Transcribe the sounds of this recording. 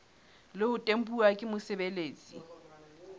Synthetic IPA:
lɪʊtʼem̩pʼuakʼɪmʊsɪbeleːt͡sʼḭ

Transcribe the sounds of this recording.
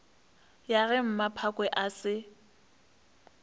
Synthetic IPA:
jaɣɛm̩mapʰakʼwɛʔasɪ

